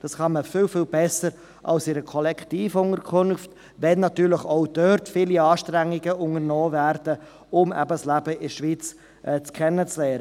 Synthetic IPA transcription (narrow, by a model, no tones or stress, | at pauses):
d̥ɑsχɑnməfɪːlfɪːlbɛsəɾ | ʔɑ̰lsɪɾəkʰɔlɛkʰtiːfʊŋəɾkʰʊnft | vɛnːɑtyːɾləχɔʊd̥œɾtfiːliɑːʃtɾæŋːɪɡəʊŋəɾnɔːvæɾd̥ə | ʊmæ̰bəslæbəʔɪʃʋiːt͡s | ʔɛt͡skʰɛnːət͡slɛːɾə